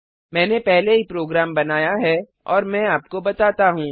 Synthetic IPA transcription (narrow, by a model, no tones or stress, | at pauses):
mɛ̃ːnepɛɦleɦipɾoːɡɾaːmbɐnaːjaɦɛ | ɔːɾmɛ̃aːpkobɐt̪aːt̪aɦũː